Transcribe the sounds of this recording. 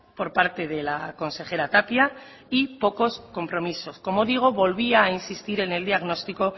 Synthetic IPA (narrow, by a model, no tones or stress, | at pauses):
po̞ɾpaɾt̪e̞ðe̞lako̞nse̞xe̞ɾat̪apja | ipo̞ko̞sko̞mpɾo̞miso̞sko̞mo̞ðiɣ̞o̞βo̞lβiaːinsist̪iɾe̞ne̞ld̪iaɣno̞st̪iko̞